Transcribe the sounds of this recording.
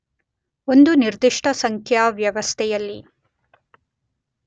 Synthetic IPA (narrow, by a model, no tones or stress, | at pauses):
o̞nd̪uniɾd̪iʂʈʰɐsɐŋkʰjaʋjɐʋɐst̪ʰɛjɐlːi